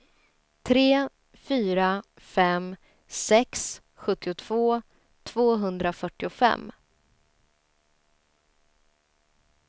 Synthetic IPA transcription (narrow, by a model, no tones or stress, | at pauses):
t̪ʰɾeː | fyːɾa | fɛm | sɛks | ɧɵt̪ːɪʊt̪ʰv̥oː | t̪ʰv̥oːɦɵnd̪ɾafœʈːɪʊfɛ̰mː